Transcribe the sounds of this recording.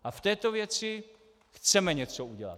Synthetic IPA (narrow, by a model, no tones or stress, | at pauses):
ʔaft̪ɛːt̪ovjɛt͡sɪ | xt͡sɛmɛɲɛt͡souɟɛla̰t̪